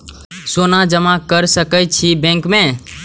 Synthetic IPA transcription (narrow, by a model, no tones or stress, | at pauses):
soːnad͡ʒəmãkəɾsəkəjt͡ʃʰibẽːŋkmẽː